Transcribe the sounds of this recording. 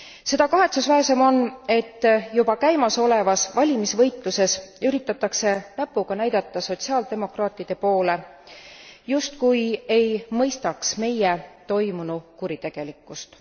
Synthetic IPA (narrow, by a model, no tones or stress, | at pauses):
se̞d̪ɑkɑɦe̞t̪susvæese̞mo̞ne̞t̪ːjubɑkæjmɑso̞le̞vɑsvɑlʲimisvɤjt̪ˑluse̞syɾit̪ːˑɑt̪ːˑɑkse̞næpːˑuɡ̥ɑnæjd̪̥ɑt̪ːˑɑso̞t̪siɑːld̪e̞mo̞krɑːt̪ˑid̪̥e̞po̞ːle̞ | just̪kuje̞jmɤjst̪ɑksme̞jet̪o̞jmunukuɾit̪e̞ɡ̥e̞likːˑust̪